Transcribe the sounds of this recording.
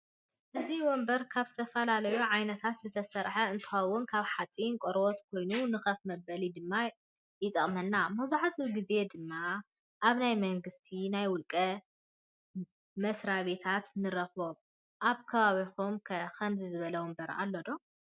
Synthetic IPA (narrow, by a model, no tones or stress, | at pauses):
ʔɨziwɔmbɐɾkʰaβzɨt̪ʰɐfɐlalɐjuʕajnɐt̪ʰat̪zɨt̪ʰɐsɐɾħɐɨnt̪ʰɨ̥xawʊnkʰaβħat͡sʼinkʷʼoɾbot̪kʰo̞jnunɨxɐfmɐbɐlid̪ɨmːa | jɪt̪ʼɐχʼmɐnːamɐzuħat̪ʰuɡize̞d̪ɨmːa | ʔaβnajmɐŋɡɨst̪ʰinajwʊlkʼɐ | mɐsɾaβet̪ʰat̪nɨɾɐxoβ | ʔaβkʰɐβaβixumkʰɐkʰɐmzizɨβɐlɐwɔmbɐɾʔa̰lːod̪o